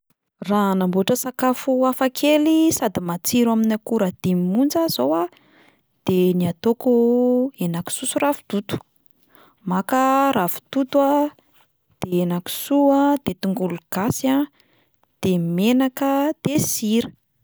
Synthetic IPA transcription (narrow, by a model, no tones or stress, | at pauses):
ranambuʈ͡ʂəsakafuafakʰelisad̪imat͡siɾwaminakuɾad̪̥imimund͡zəz̥owa | d̪̥eniat̪okuenaki̥susurafu̥t̪ut̪u̥ | makərafu̥t̪ut̪ua | d̪̥eenaku̥suad̪̥et̪uŋɡuluɡ̥asia | d̪̥emenakəd̪̥esiɾə̥